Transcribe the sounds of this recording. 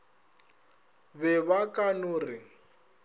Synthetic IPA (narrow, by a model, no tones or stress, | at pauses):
bɛβakʼanʊːrɪ